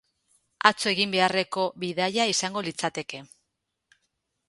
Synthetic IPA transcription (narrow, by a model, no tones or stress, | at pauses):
at͡soe̞ɣimbe̞are̞ko̞βiðaʎaisaŋɡo̞lit͡sat̪e̞ke̞